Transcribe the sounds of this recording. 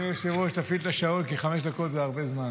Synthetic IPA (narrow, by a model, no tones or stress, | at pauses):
jeʃevoʃt̪afit̪laʃaolkiχameʃd̪akot̪zeaʁbezman